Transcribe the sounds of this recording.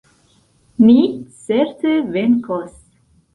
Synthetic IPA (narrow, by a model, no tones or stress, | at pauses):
nit͡seɾt̪eveŋkos